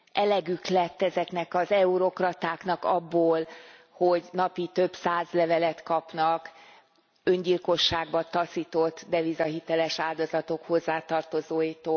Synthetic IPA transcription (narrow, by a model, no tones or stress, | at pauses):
ʔɛlɛɡyklɛt̪ːɛzɛknɛkɒzɛuɾo̞krɒt̪aːknɒkɒbːoːl | ho̞ɟnɒpit̪ø̞bsaːzlɛvɛlɛt̪kɒpnɒk | øɲɟilko̞ʃːaːɡbɒt̪ɒsit̪o̞t̪ːd̪ɛvizɒɦit̪ɛlɛʃaːld̪ozɒt̪o̞kho̞zːaːt̪ɒrt̪o̞zoːjit̪oː